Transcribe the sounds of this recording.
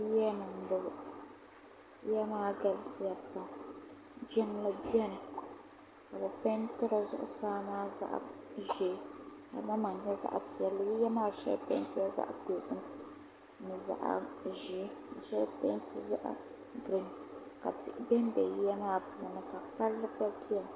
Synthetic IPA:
jɛ˦nɨ˨m̩˨bʊ˦ɣʊ˨˦ | ɛ˦maː˦ɡa˦lsi˦ja˨pa˨ŋ | d͡ʒɛ˦ŋla˦bi˦ɛ˦nɨ˨ | ka˨bɛ˨pɛ˦ŋtɨ˦ɾa˨zʊ̰˦ʔʊ̰˦saː˦maː˦za̰˦˨ʔa̰˨ʒɛ˨˦a̰˨ma˦ma˨ŋɡa˦za̰˦ʔa̰˨ti˨ɛ˨lɨ˨ɡi˦jɛ˦maː˦˨ʃɛ̰˦lpa˦n˦tɨ˦ja˦za̰˦ʔdoː˨sɨ˦m | nɨ˨za̰˦ʔa̰˦ʒeː˨˦a˨ʃɛ˦lpa˦n˦tɨ˨za̰˦ʔ | ɡɾɨ˨ŋ | ka˨tɪ˨ʔbɛ˦m˦bɛ˨jɛ˦maː˦pu˨nɨ˨ka˨pa˦lːɨ˦ba˦ki˦a˨

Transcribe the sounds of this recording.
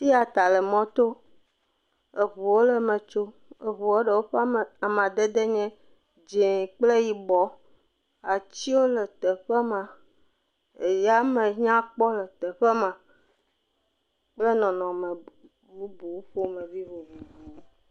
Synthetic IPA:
t̪i˦a˨t̪a˨lə˨mɔ̃˦t̪o˦ | e˨βu˨wo˦lə˨mɛ̃˨t͡ʃo˦ | e˨βu˨wo˦ɖə˨wo˦ɸe˦a˦mɛ˨a˨m˨a˨d̪e˦d̪e˦ɲɛ̃˦ | d͡ʒe˨k͡ple˦ji˨bɔ˨˦ | a˨t͡ɕi˦wo˦lə˨t̪ɛ˨ɸɛ˦mã˨ | e˨ja˦mẽ˨ɲ˦ã˦k͡pɔ˦lə˨t̪ɛ˨ɸɛ˦mã˨ | k͡ple˦nɔ̃˨nɔ̃˨mɛ̃˨ | vu˦bu˨wɸo˦mɛ̃˨vi˦βo˨vi˨vi˨

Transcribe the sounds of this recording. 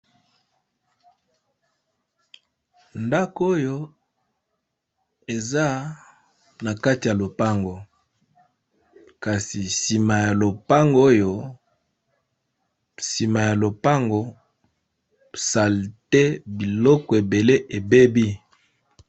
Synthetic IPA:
nda˦ko˦jo˦ | e˨za˦ | na˨ka˦ti˨ja˨lo˨pa˦ŋɡo˨ | ka˨si˨si˨ma˨ja˨lo˨pa˦ŋɡo˦jo˨ | si˨ma˨ja˨lo˨pa˦ŋɡo˨ | sa˨lte˦bi˨lɔ˦kɔ˨e˨be˨le˦ʔe˨be˦bi˦

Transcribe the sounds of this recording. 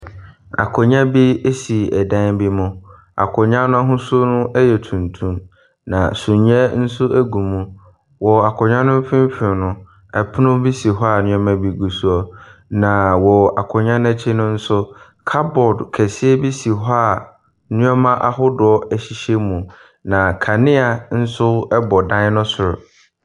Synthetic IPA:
a̰˨kʰʊ˨ɲã˦bi˦e˦si˨ɛ˨dã˦nbi˦mʊ̃˨ | a̰˨kʰʊ˨ɲã˦nʊ̃˦a˦ɦʊ̃˦sʊ˦nʊ̃˦ʔɛ˦jɛ˨tʰũ˨ntʰũ˦m | nã̰˨sũ˨ɲ˦ɛ˦n̩˦sʊ˦æ˦ɡũ˨mũ˦ | wɔ˨a˨kʰʊ˨ɲã˦nʊ̃˦m̩˦fɪ̃˦m˦fɪ˨nʊ̃˦ | ɛ˨pʰʊ˦nʊ̃˦bi˦si˨ɦɔ˦a˦˨nɪ̃˦ɔ˦mã˦bi˦ɡu˨su˦ɔ˦nã˨wɔ˨a˨kʰʊ˨ɲã˦n˦æ˦t͡ɕʰi˦nʊ̃˦n̩˦sʊ˦ | kʰa˦bɔ˨dkʰɛ˨sɪ˦ɛ˦bi˦si˨ɦɔ˦a˦˨ | nɪ̃˦ɔ˦mã˦ʔa˨ɦʊ˦dʊ˨ɔ˦ʔæ˨ɕi˨ɕe˦mũ˨ | nã˨kʰa˨nɪ̃˦a˨n̩˦sʊ˦ɛ˦bɔ˨dã˦nʊ̃˦sʊ˨ɾʊ̰˨

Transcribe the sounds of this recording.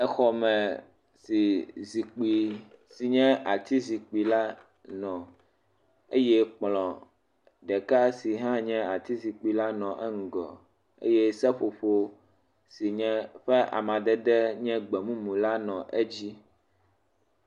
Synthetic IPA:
ɛ˨xɔ˨mɛ̃˨ | si˨zi˨k͡pi˨si˨ɲɛ̃˦a˨t̪i˦zi˨k͡pi˨la˦ | nɔ̃˨ | e˦jɛ˦k͡plɔ̃˨ | ɖɛ˨ka˦si˨ɦã˦ɲɛ̃˦a˨t̪i˦zi˨k͡pi˨la˦nɔ̃˨ʔɛ˦ŋ̩˨ɡɔ̰˨ | ḛ˦jɛ˦sɛ˦ɸo˨ɸo˦ | si˨ɲɛ̃˦ɸɛ˦ʔa̰˨mã˨d̪ɛ˨d̪ɛ˦ɲɛ̃˦ɡ͡bɛ˨mũ˦mũ˨la˦nɔ̃˨ʔe˦d͡ʑi˦

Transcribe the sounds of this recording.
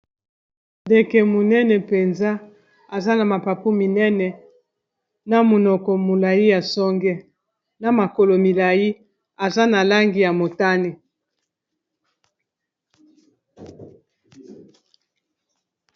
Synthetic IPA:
ndɛ˨kɛ˨mo˨nɛ˦nɛ˨pe˨nza˦ | a˨za˦na˨ma˨pa˨pu˦mi˨nɛ˦nɛ˨ | na˨mo˨nɔ˨kɔ˨mo˨la˨ji˦ja˨sɔ˦ŋɡɛ˦ | na˨ma˨ko˨lo˨mi˨la˨ji˦ | a˨za˦na˨la˦ŋɡi˨ja˨mo˨ta˦ne˨

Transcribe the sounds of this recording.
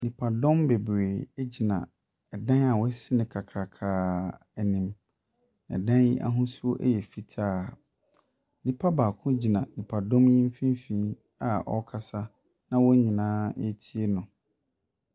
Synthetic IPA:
nĩ˨pʰa˨dɔ̃˦mbe˨bɾe˨ɛ˦d͡ʑi˨nã̰˨ | ɛ˨dã˦a˨wɔ˦sɪ˦nɪ̃˦kʰa˨kʰɾa˨kʰaː˨ | ɛ˨nĩ˨m | nɛ̰̃˨dã˦i˦a̰˦ɦʊ̃˦su˦o˦ʔɛ̰˦jɛ˨fi˦tʰaː˦ | nĩ˨pʰa˦baː˨kʰʊ̃˦d͡ʑi˨nã˨nĩ˨pʰa˨dɔ̃˦mɲĩ˦m˦fĩ˦nfĩ˦ | a˨ʔɔ̰˦kʰa˨sa˦ | nã˦wɔ˦ɲĩ˨nãː˦ɛ˦tʰi˦e˦nʊ̃˨

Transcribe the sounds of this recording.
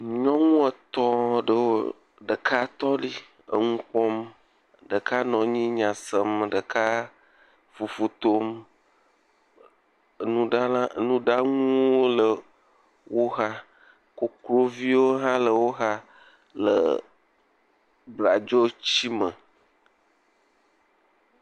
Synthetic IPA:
ɲɔ̃˦ŋũ˦ə˨t̪ɔ˦ɖə˨wo˦ | ɖə˨kʰa˦t̪ɔ˦li˦ | ə̰˨ŋũ˦k͡pɔ˦m | ɖə˨ka˦nɔ̃˨ɲĩ˦ɲã˨sə˦m˨ɖə˨ka˦ | fu˨fu˨t̪o˦m˨ | nũ˦a˦a˦nũ˦ɖa˦ŋũũ˦wo˦lə˨ | wo˦ɦa˦ | ko˨kɾo˦vi˦wo˦ɦã˦lə˨wo˦ɦa˦ | lə̰˨ | bla˨d͡ʒo˦t͡ɕi˦mə˨

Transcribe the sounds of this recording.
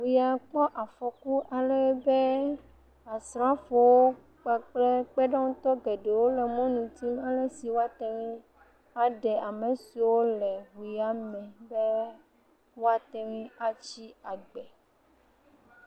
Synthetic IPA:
ɦu˨ja˨k͡pɔ˦ʔa˨fɔ˨ku˦ʔa˨lɛ˦be˦ | a˨sɾã˦fɔ˨wo˦ | k͡pa˨k͡ple˦k͡pe˦ɖa˦ŋũ˦t̪ɔ˦ɡe˨ɖe˨wo˦le˨mɔ̃˦nũ˨t̪i˦m˦a˦le˦si˨wo˦a˦t̪e˦wĩ˦ | a˦ɖe˨a˨me˨si˨wo˦lɛ˨wu˨ja˨mɛ̃˨be˦ | wo˦a˦t̪e˨wĩ˦a˨t͡ɕi˦a˨ɡ͡bɛ˨

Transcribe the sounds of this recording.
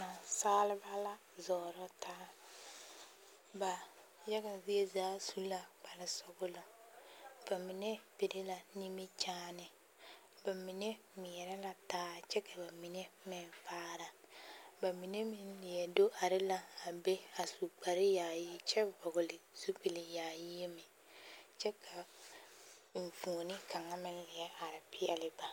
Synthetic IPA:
a˨saː˦lɪ˦ba˦la˦ | zɔː˨ɾɔ˦taː˦ | ba˨ | jɛ˦ɡɛ˨vi˦e˦zaː˨˦su˦la˨k͡pa˨ɾɪ˨sɔ˨ɡʊ˦la˨ | b̥a˨mi˨ne˦pe˨ɾe˦la˨ni˦me˦t͡ʃaː˦nɪ˨ | ba˨mi˨ne˦ | mɪ˨jɛ˨ɾɛ˦la˨taː˦˨t͡ʃɛ˦kɛ˨ba˨mi˨ne˦mɛ˨˦paː˦ɾa˨ba˨mi˨ne˦mɪ˦n˦lɪ˨jɛ˨do˦ʔa˨ɾɪ˦la˦a˨be˦a˨su˨k͡pa˨ɾɪ˦jaː˨ji˦t͡ʃɛ˦bɔ˨ɣʊ˨lɪ˨su˦pi˨lɪ˨jaː˨ji˦e˦mɪ˨ | t͡ʃɛ˦kʰa˨ | ɱ̩˨fũ˨o˨nɪ˦kʰa˨ŋa˦mɪ̃˦n˦lɪ˨jɛ˦ʔa˨ɾɪ˨pɪ˦ɛ˨lɪ˦ba˨

